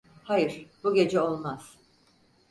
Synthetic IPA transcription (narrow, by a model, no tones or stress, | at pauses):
hajɯɾ̥buɟʲe̞d͡ʒɛo̞lˠmaz̥